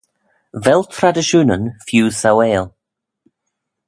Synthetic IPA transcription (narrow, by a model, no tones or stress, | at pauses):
vɛlˠt̪ʰɾad̪əʃuːnənfjuːsaweːlˠ